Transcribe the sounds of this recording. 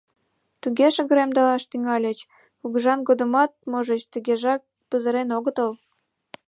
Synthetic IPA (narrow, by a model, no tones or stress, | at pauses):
t̪uɣeʃə̆ɣə̆ɾemd̪ɑlɑʃt̪yŋɑlʲə̆t͡ɕ | kuɣuʒɑnɡod̪ə̆mɑt̪̚moʒə̆t͡ɕt̪əɣeʒɑk̚ | pəzəɾenoɣə̆t̪əl